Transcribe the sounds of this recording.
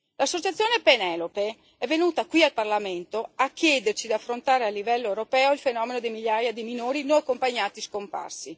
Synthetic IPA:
lasːot͡ʃat̪sːjoːnepenɛlope | ɛvːenuːt̪akwialparlament̪oakːjɛːd̪ert͡ʃid̪iafːɾont̪aːɾealːivɛlːoewɾopɛːoilfenɔːmenod̪ejmiʎːaːjad̪ijminoːɾinõakːompaɲːaːt̪iskompa̰rsi

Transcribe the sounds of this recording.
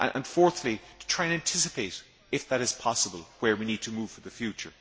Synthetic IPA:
ʔʔə̰̃nfɔɹθlitʰətʰɹ̥aɪɨ̃næ̃ntʰɪsɨpʰeɪɾ | ɪfðəɾɨz̥pʰɑsəbəlˠwə˞winid̚tʰəmuːv̥fə˞ðəfjʉt͡ʃə̰˞

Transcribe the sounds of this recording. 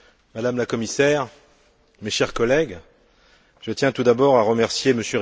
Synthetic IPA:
mad̪amlakɔmisɛʁ | meʃɛʁkɔlɛɡ | ʒət̪jɛ̃t̪ud̪abɔʁaʁəmɛʁsjeməsjøʁ

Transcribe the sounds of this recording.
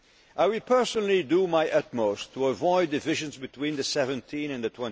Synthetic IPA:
ʔaɪwɪlpʰɜ˞sənl̩ˠidəmaɪʔʌt̚moʊstʰəəvɔɪdɨvɪʒɨ̃nzbɨtʰw̥ĩnðɨsɛvɨ̃ntʰĩnɨ̃nðɨtʰw̥ɛ̃n

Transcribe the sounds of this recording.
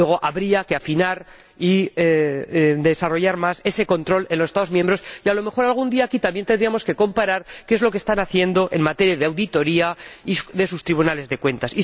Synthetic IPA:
eɣo̞ʔaβɾiakeafinaɾ | ie | d̪e̞saro̞ʝaɾmase̞se̞ko̞nt̪ɾo̞le̞nlosest̪aðo̞zmjẽ̞mbɾo̞sialo̞me̞xo̞ɾalɣ̞und̪iaːkit̪ambjent̪end̪ɾiamo̞ske̞ko̞mpaɾaɾkeezlo̞k̬est̪anaθje̞nd̪o̞ʔe̞̰nmat̪e̞ɾjaðeawðit̪o̞ɾiaiðe̞sust̪ɾiβunale̞zðe̞kwe̞nt̪asi

